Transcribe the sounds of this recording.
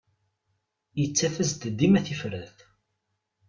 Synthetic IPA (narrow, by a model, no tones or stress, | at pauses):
jət͡sːæfəzt̪d̪ːimæθifɾəθ